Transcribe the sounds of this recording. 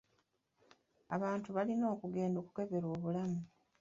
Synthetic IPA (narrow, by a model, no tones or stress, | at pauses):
aβaːntuβalino̞ːkuɡe̞ːndo̞ːku̥ke̞βe̞ɾo̞ːβulamu